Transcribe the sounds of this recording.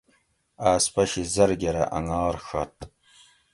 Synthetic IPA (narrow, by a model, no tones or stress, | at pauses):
aːspʰaʃizarɡʲaɾa̰ʔa̰ŋalrxatʼ